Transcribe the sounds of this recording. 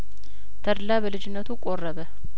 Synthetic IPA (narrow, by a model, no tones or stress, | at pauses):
t̪ʰəɾlaβəlɨd͡ʒɪnːət̪ʰukʼorːəβə